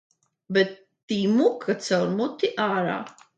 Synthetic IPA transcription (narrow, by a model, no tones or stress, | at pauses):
bɛt̪ːiːmukʰat̪sawɾmut̪ːiʔaːɾa̰ː